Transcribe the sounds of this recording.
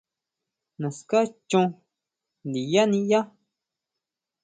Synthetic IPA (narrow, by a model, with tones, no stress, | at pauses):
nã˨ska˦t͡ʃõ˧ | nd̪i˨ja˦nĩ˧ja˦